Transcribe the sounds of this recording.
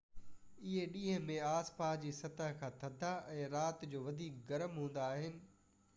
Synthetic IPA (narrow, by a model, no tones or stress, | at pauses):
ɪɦeɗĩːɦə̃mẽaːspaːd͡ʑiːsɐt̪əɦkʰãːt̪ʰɐd̪ʱaʔɛ̃ːɾaːt̪d͡ʑoːʋɐd̪ʱiːk̚ɡɐɾəmɦũːn̆d̪aːɦɪnɪ̆